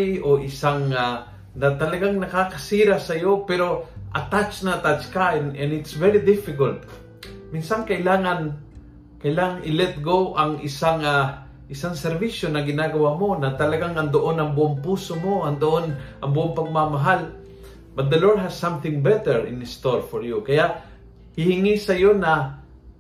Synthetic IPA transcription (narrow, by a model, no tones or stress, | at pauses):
oʔɪsaŋa | nɐt̪ɐlɐɡaŋnɐkakɐsiːɾasɐjopɛɾo̞ʔɐ̰t̪at͡ʃnɐt̪at͡ʃkaɪnɛ̃nɪt̪svɛɹid̪ɪfɪkɐlt̪̚ | mɪnsɐŋkɐʔɪlaːŋɐn | kɐʔɪlaːŋaŋʔɪlɛt̪̚ɡowʔɐŋʔɪsaŋa | ʔɪsaŋsɛɾviʃjonɐɡɪnaɡɐwamo̞nɐt̪ɐlɐɡaŋɐnd̪oʔonɐŋbʊʔoŋpuːsomo̞ɐŋd̪oʔonʔɐŋbʊʔoŋpɐɡ̚mamɐɦal | bɐt̪̚d̪ɐloɹd̪̚ɦɐssamθɪ̃ŋbɛt̪ɛɹɪ̰̃nɪst̪oɹfoɹjukɐjaʔ | hɪhɪŋisɐjo̞nɐ